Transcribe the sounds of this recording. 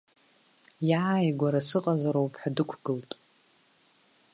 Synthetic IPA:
jaːjɡʷaɾasɨqʼazaɾowpʰʼħadɨkʷʰɡ̥ɨltʼ

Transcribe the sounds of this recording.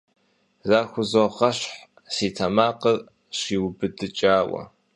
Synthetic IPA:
zaːxʷʊzoχɐɕħ | siːtʰɐmaːqɐr | ɕiːwbɨdɨt͡ʃʼaːwɐ̰

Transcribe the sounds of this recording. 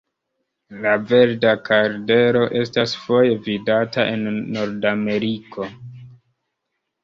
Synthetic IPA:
lave̞ɾdakaɾde̞ɾo̞ʔe̞stasfo̞je̞vidataʔe̞nːo̞ɾdame̞ɾikʰo̞

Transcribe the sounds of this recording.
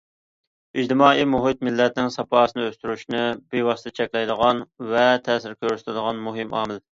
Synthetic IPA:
id͡ʒt̪ɪmɑːimuɦɪt̪̚mɪlːɛt̪̚nɪŋsɑpʰɑːsɨnɨøst̪yɾyʃnɪbewɑst̪ɨt͡ʃʰɛkʲlɛjd̪əʁɑnvɛt̪ʰɛːsɪɾkʲøɾysɪlɪd̪əʁɑnmuɦɪmʔɑ̰ːmɪl

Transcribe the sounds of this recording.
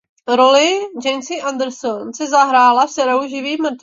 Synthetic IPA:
ɾolɪd͡ʒɛjmsɪʔand̪ɾ̩sonsɛzaɦɾaːlafsɛɾowʒɪviːmr̩t̪

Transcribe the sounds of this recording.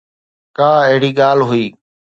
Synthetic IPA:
kaːəɦɪɽiːɠaːlɦʊiː

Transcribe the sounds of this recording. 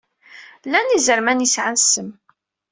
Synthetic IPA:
lænizəɾmænjisʕansəm

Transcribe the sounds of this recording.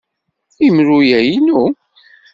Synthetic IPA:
imɾujæjnu

